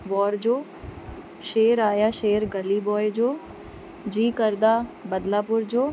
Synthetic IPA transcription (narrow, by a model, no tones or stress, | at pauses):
ʋɔːɾd͡ʑoː | ʃeːɾaːjaʃeːɾɡɐlibɔːjed͡ʑoː | d͡ʑiːkəɾd̪abɐd̪lapʊɾd͡ʑoː